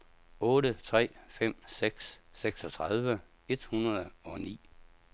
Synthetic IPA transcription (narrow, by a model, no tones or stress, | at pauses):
ɔ̽ːɾət͡sʰʁɛ̰ːfem̰seɡ̥sːeɡ̥sɒ̽t͡sʰʁɑð̞ˠʋə | e̝d̥hunɐðˠɒ̽nḭː